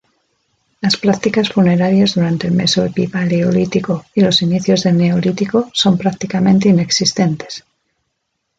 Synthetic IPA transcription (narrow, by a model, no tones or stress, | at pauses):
laspɾak̚t̪ikasfune̞ɾaɾjazðuɾant̪elmesoepipaleolit̪iko̞ilo̞siniθjo̞zðe̞lne̞olit̪iko̞so̞mpɾak̚t̪ikamẽnt̪eine̞ksist̪e̞nt̪es